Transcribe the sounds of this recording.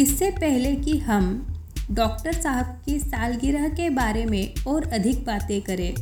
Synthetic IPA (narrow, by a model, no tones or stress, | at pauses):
ɪsːepɛɦlekiɦɐmɖɔːk̚ʈəɾsaːɦəb̚kisaːlɡɪɾəɦkebaːɾemẽɔːɾɐd̪ʱɪk̚baːt̪ẽkɐɾẽː